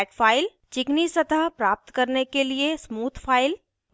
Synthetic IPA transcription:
ʈfaːɪlt͡ɕɪknisɐt̪aɦpɾaːp̚t̪kɐɾnekeliesmuːt̪ʰfaːɪl

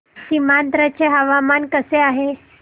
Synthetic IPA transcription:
simant̪ɾət͡ɕeɦəʋamankəseaɦe

